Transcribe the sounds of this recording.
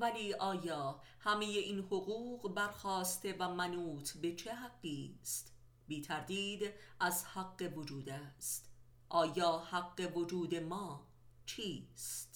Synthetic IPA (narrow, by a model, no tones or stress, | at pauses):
væliːʔɒːjɒː | hæme̞je̞ʔiːnho̞ɣuːɢbæɾxɒːst̪e̞væmænuːt̪ʰbe̞t͡ʃʰe̞ɦæɡːiːst̪ | biːt̪ʰæɾd̪iːd̪ʔæzhæɡːe̞vod͡ʒuːd̪æst̪ | ʔɒːjɒːhæɡːe̞vod͡ʒuːd̪e̞mɒː | t͡ʃʰiːst̪